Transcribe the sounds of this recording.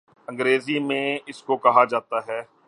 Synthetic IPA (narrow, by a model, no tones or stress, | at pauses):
ə̃ŋɡɾeːzimẽɪskokɐɦad͡ʒaːt̪aɦɛː